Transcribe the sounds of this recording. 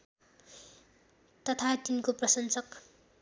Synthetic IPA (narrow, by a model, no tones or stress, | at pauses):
t̪ʌt̪ʰat̪inkoprʌsʌnsʌk